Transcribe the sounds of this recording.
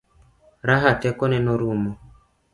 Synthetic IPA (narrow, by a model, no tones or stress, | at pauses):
ɾaɦatɛkɔnɛnɔɾumɔ